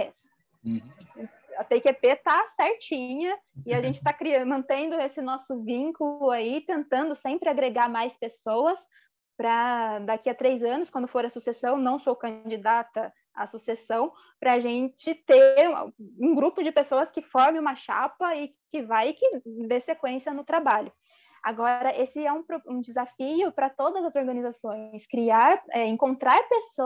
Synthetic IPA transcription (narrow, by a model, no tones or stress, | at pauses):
ɛs | ɐpekepet̪asɛɾt͡ʃĩɲɐɪaʒẽnt͡ʃɪt̪akɾiɐmɐ̃nt̪ẽnd̪ʊesɪnɔsʊvĩŋkʊlʊait̪ẽnt̪ɐ̃nd̪ʊsẽmpɾɪaɡɾeɡaɾmajspesowɐs | pɾɐd̪akiɐt̪ɾejzɐ̃nʊskwɐ̃nd̪ʊfoɾɐsusesɐ̃w̃nɐ̃w̃sowkɐ̃d͡ʒid̪at̪ɐ | a̰susesɐ̃w̃ | pɾɐːʒẽt͡ʃɪt̪eɾũɡɾupʊd͡ʒɪpesoɐskɪfɔɾmẽũmɐʃa̰pɐɪ | kɪvajɪkɪd̪esekwẽsiɐnʊt̪ɾabaʎʊ | aɡɔɾɐʔesɪɛũpɾoũd͡ʒɪzafiʊpɾɐt̪od̪ɐzɐzoɾɡɐ̃nizasõj̃skɾiaɾɛẽŋkõnt̪ɾaɾpeso